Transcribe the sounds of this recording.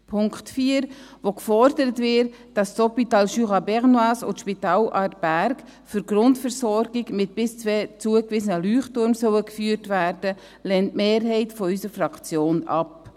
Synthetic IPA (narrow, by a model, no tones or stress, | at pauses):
pʰʊŋktfiːəɾ | ʋokfɔɾdəɾətvɪɾ | d̥ɑstɔpitɑːlʃyʁɑbɛʁnwaːsʊ̰tʃpitɑːlʔɑːɾtb̥æɾk | fʏɾɡɾʊntfɛɾsɔɾɡɪɡmɪt̚b̥ɪst͡sʋɛːt͡suəkvɪsənəlyːχtʊɾmsœwəkfyːɾtvæɾdə | lɛntmeːɾɦɛɪtfɔysəɾfrɑkt͡sjoːnɑp